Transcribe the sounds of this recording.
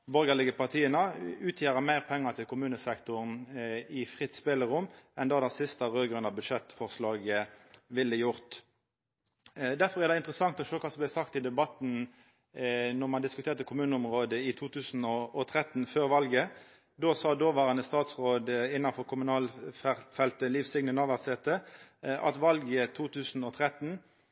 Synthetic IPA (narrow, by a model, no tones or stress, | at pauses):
bɔʁɡəlɪɡəpɑʁt̪ʰiːənəʉːt̪ʰjeːʁəmæɪʁpʰɛŋːət̪ʰɪlkʰʊmʉːnəsɛkt̪ʊʁnɪfʁɪt̪spɛləʁʊmːɛnd̪ɑːd̪ɛsɪst̪əʁøːɡʁʉnɑbʉd̪ʃɛt̪fɔʁslɑːɡəʋɪlːəjʊʁt̪ | d̪æfɔʁæʁd̪ɛɪnt̪ʁəsɑŋt̪ɔʃøːkʰɑːsɔmblæɪsɑkt̪ɪd̪ɛbɑt̪n̩ | nɔʁmɑnd̪ɪskʉt̪ʰeːʁt̪əkʰʊmʉːnəʊmʁoːd̪əɪt̪ʰuːt̪ʰʉːsn̩ɔʔɔt̪ʰʁɛt̪n̩føːʁʋɑlɡə | d̪oːsɑːd̪oːʋɑːʁənəst̪ɑːt̪sʁoːd̪ɪnːɑnfɔʁkʰʊmʉnɑːlfɛfɛlt̪əliːʋsɪŋnənɑʋæʁsɛt̪əʔɑ̰t̪ʋɑlɡət̪ʰuːt̪ʰʉːsn̩ɔt̪ʰʁɛt̪n̩